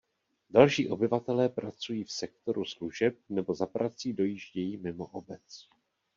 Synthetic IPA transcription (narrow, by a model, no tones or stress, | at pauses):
dalʃiːʔo̞bɪvat̪ɛlɛːpɾat͡sujiːfsɛk̚t̪o̞ɾusluʒɛp̚nɛbo̞zapɾat͡siːdo̞jiʒɟɛjiːmɪmoʔobɛt͡s